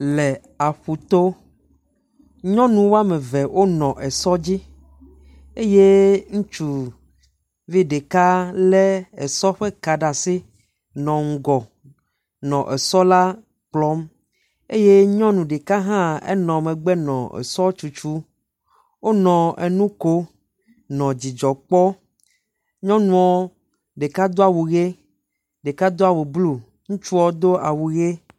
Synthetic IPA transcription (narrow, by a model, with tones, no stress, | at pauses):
lɛ˨ | a˨ɸu˨t̪o˦ | ɲɔ̃˦nũ˨wo˦a˦mẽ˨vɛ˨wʔo˦nɔ̃˨ʔɛ˨sɔ˦d͡ʑi˦ | e˦je˦ŋũ˦t͡ʃu˨ | vi˦ɖe˨ka˦lɛ˦ɛ˨sɔ˦ɸe˦ka˨ɖa˨si˦ | nɔ̃˨ŋ̩˨ɡɔ˨ | nɔ̃˨ʔɛ˨sɔ˦la˦ | k͡plɔ˨˦m | e˦je˦ɲɔ̃˦nũ˨ɖe˨ka˦ɦã˦ḛ˦nɔ̃˨mẽ˨ɡ͡bɛ˦nɔ̰̃˨ḛ˨sɔ˦t͡ʃu˨t͡ʃu˦ | wo˦nɔ̃˨e˨nũ˦ko˦ | nɔ̃˨d͡ʑi˨d͡ʒɔ˨k͡pɔ˦ | ɲɔ̃˦nũ˨ɔ˦ | ɖe˨ka˦d̪o˦a˨wu˨ɣe˦ | ɖe˨ka˦d̪o˦a˦wu˨blu˦ | ŋũ˦t͡ʃu˦ɔ˦d̪o˦a˨wu˨ɣe˦